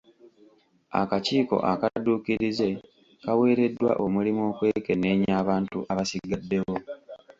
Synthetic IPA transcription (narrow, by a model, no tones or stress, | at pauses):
a̰kaciːko̞̰ʔakaduːkiɾize̞ | kawe̞ːɾe̞dːwa̰ʔo̞mulimo̞ːkwe̞ke̞ne̞ːɲaːβaːntṵʔaβasiɡadːe̞wo̞